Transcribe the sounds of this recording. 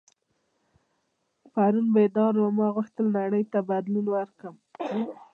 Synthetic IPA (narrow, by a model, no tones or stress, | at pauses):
paɾunbed̪ɑɾlamɑɣuxt̪əlnaɽəjt̪abad̪lunwəɾkəm